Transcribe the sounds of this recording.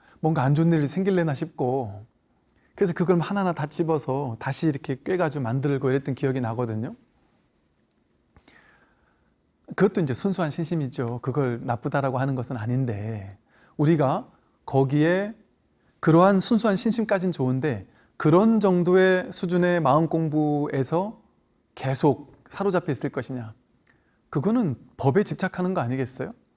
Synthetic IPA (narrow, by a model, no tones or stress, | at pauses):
mwʌnɡaːnd͡ʑonːɯɾisʰe̞ŋɡiɭːenaɕʰip̚k͈o | kɯɾesʰʌkɯɡʌɭmhananatat͡ɕ͈ibʌsʰʌtaɕʰiːɾʌkʰe̞k͈ɥe̞ɡad͡ʑiomandɯɯɭɡoiɾʌt͈ʌnkijʌɡinaɡʌdɯɲo | kɯɡʌt͈oind͡ʑe̞sʰunsʰuɦanɕʰinɕʰimid͡ʑokɯɡʌɭnap͈udaɾaɡohanɯnɡʌsʰɯnaɲinde̞ | uɾiɡa | kʌɡie̞ | kɯɾʌɦansʰuns̬ʰuɦanɕʰinɕʰimk͈ad͡ʑint͡ɕoɯnde̞ | kɯɾʌnd͡ʑʌŋdoe̞sʰud͡ʑune̞maɯnk͈oŋbue̞sʰʌ | ke̞sʰok̚ | sʰaɾod͡ʑapʰeis͈ɯɭk͈ʌɕʰiɲa | kɯɡʌnɯnpʌbe̞t͡ɕip̚t͡ɕʰakʰanɯnɡʌaɲiɡe̞s͈ʌjo